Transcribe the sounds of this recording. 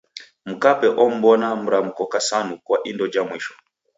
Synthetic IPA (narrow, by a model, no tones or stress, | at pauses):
m̩kapɛʔɔm̩bɔnam̩ɾam̩kɔkasanukwaʔindɔd͡ʒamwiʃɔ̥